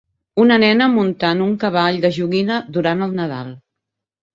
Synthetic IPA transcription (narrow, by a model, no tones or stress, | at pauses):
unənɛnəmunt̪anuŋkəβ̞aʎd̪əʒuɣinəðuɾanəlˠnəða̰lˠ